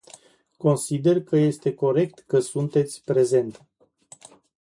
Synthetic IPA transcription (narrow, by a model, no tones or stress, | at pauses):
ko̞nsid̪e̞rkəje̞st̪e̞ko̞ɾe̞kt̪kəsunt̪e̞t̪sʲpɾe̞ze̞nt̪